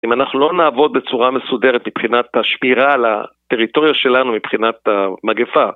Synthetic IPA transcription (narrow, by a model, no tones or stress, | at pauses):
imanaχnulo̞naːvo̞d̪̚be̞t͡suʁame̞sudeʁet̪mipχinat̪haʃmiʁala̰t̪e̞ʁito̞ʁjoʃe̞lanumipχinat̪amaɡefa